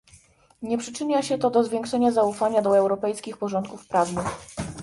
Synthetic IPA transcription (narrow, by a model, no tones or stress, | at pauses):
ɲɛpʂɘt͡ʂɘɲaɕɛt̪ɔd̪ɔzvʲjɛ̃ŋkʂɛɲazaufaɲad̪ɔɛwɾɔpɛjskʲixpɔʐɔnt̪kufpɾavnɘx